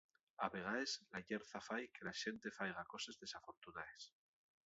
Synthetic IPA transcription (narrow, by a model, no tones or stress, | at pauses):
aβe̞ɣ̞aeslaʝeɾθafajke̞laʃe̞nt̪e̞fajɣ̞ako̞se̞zðe̞safo̞ɾt̪unaes